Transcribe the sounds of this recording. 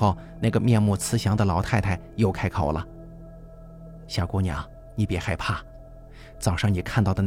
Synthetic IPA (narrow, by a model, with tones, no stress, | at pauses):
o˥˧ʊ | na˥˩ɡə˩mjɛ˥˧nmu˥˩t͡sʰɹ̩˥ɕjɑ˧˥ŋd̪ə˧lɑ˧˥ʊt̪ʰa˥˧ɪt̪ʰa˥˩ɪjo˥˩ʊkʰa˥ɪkʰo˨˩ʊlə̰˦ | ɕja˨˩kwɔ˥nja̰˨˩˦ | ni˧˥˩pjɛ˧˥xa˥˧ɪpʰa˥˩ | t͡sɑ˨˩ʊʂɑ˥˩ŋni˨˩kʰa˥˧nt̪ɑ˥˩ʊd̪ə˩n